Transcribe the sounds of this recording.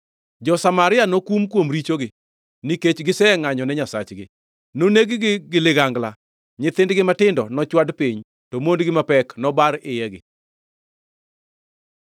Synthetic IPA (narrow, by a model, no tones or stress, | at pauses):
d͡ʒɔsamaɾɪanokumkwomɾit͡ʃoɡɪ | niket͡ʃɡɪsɛɛŋaɲɔnɛɲasa̰t͡ʃɡɪ | noneɡɪɡɪɡɪlɪɡaŋɡla | ɲɪt̪ɪndɡɪmatɪndɔnɔt͡ʃwadpiɲ | tomondɡɪmapɛknɔbaɾɪjɛɡɪ̰